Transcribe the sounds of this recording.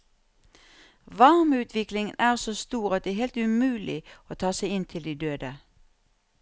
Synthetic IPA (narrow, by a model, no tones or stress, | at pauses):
ʋɑʁmʉːt̪ʰʋɪklɪŋənæːʁsoːst̪uːʁɑt̪̚d̪ɛːheːlt̪ʉmʉːlʔɪoːt̪ʰɑːsæɪɪnt̪ʰɪld̪iːd̪øːd̪ə